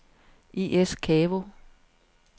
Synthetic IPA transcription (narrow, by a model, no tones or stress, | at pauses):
iʔeskʰɛːʋo